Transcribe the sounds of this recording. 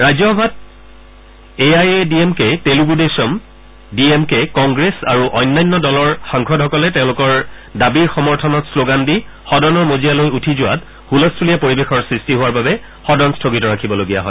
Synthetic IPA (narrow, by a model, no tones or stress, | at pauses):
ɹajzɔɔbʱat̚ | eajediemketeluɡudesɔm | diemkɛkɔŋɡɹesaɹuʔɔjnːajnːɔdɔlɔɹxaŋxʰɔdʱɦɔkɔlɛtɛʊ̃lʊkɔɹ | dabiɹxɔmɔɹtʰɔnɔtsloɡandi | xɔdɔnɔɹmozijalojutʰizʊwa̰t | hulɔstʰuliapoɹibexɔɹsɹistiɦʊaɹbabɛ | xɔdɔnstʰoɡitɔɹakʰibɔloɡija̰ɦɔj